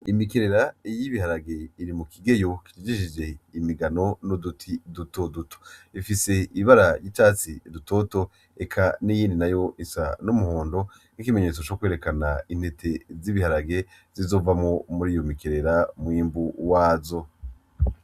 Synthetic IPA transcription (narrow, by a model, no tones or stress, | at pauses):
imikeɾe̞ɾaijiβihaɾaɡe̞iɾimukiɡe̞jo̞ki̥t͡ʃid͡ʒiʃid͡ʒe̞imiɡano̞nodutʰiduto̞duto̥ifise̞iβaɾajitaːt͡sidutoto̞ | e̞kʰanijiːndinajo̞ʔisanumuɦo̞ːndo̞ | n̥ikime̞ɲe̞t͡so̞t͡ʃo̞kwe̞ːɾe̞kanain̥he̞tʰe̞ziβihaɾaɡe̞ | z̥izo̞ːvamŋo̞muɾiːjo̞mikeɾe̞ɾamwiːmbuwaːzo̞